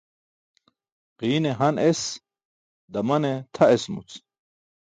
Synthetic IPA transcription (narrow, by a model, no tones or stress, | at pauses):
qiːneɦɐnes | d̪ɐmɐnet̪ʰɐesmṵt͡s